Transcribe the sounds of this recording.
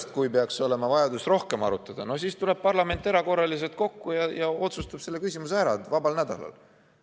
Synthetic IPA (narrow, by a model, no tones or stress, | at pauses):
st̪̚kujpeɑkso̞le̞mɑvɑjɑd̪usro̞hke̞mɑ̰ɾut̪ːˑɑd̪̥ɑno̞siːst̪ule̞b̥̚pɑrlɑme̞nt̪ːˑe̞ɾɑko̞rːɑlis̬e̞lt̪̚ko̞kːujɑjɑo̞t̪sust̪ɑb̥se̞lːe̞kysʲimuseæɾɑ̰d̪vɑbɑlnæd̪̥ɑ̰lɑ̰l